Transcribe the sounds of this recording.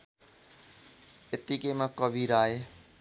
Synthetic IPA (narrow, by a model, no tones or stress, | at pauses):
ɪt̪ːikemãkəʋiːɾaːɦe